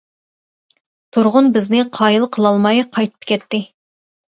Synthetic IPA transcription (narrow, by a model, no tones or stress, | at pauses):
t̪ʰuɾʁʊnbɪznɪqʰɑjɨlˠqʰəlˠɑlˠmɑjqʰɑjt̪ʰɨ̥p̚kʲʰɛt̪ːɪ